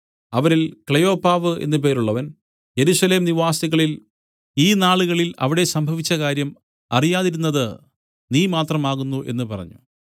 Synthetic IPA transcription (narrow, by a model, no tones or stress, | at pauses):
ɐʋɐɾilkɭejo̞ːpːaːʋɨe̞̰nːɨp̬e̞ːɾuɭːɐʋɐn | je̞ɾusɐle̞ːmniʋaːsiɣɐɭil | iːnaːɭuɣɐɭilɐ̰ʋiɽe̞sɐmbʱɐʋit͡ɕːɐkaːɾjɐm | ɐ̰rijaːðiɾunːɐðɨ | niːmaːt̪rɐmaːɣunːuʔe̞̰nːɨpɐrɐ̰ɲːṵ